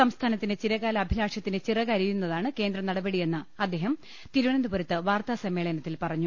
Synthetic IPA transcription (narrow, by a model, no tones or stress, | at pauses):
sɐmst̪ʰaːnɐt̪ːinet͡ɕiɾɐɣaːlɐɐbʱilaːʂɐt̪ːinet͡ɕirɐɣɐɾijunːɐðaːɳɨke̞ːnd̪rɐmnɐɽɐbɐɽije̞nːɨɐd̪ːe̞ːɦɐm | t̪iɾuʋɐɳɐnd̪uboɾɐt̪ːɨʋaːrt̪aːsɐmːe̞ːɭɐnɐt̪ːilpɐrɐɲːu